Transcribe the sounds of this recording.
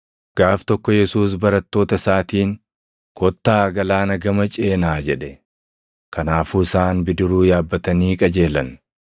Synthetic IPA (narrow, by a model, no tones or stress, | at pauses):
ɡ̥aːft̪ɔkːɔjɛsuːs̬bɐɾɐt̪ːo̞ːt̪ɐsaːt̪iːŋ | kʰɔt̪ːaːɡɐlaːnɐɡɐmɐt͡ʃʼe̞ːnaːd͡ʒɛᶑɛ | kʰɐnaːfuːɪsaːnbɪd̪ɪɾuːjaːbːɐt̪ɐniːkʼɐd͡ʒe̞ːlɐn